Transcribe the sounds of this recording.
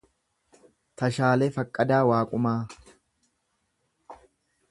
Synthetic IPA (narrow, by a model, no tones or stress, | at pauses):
t̪ɐʃaːlefɐkʼːɐd̪aːwaːkʼʊmaː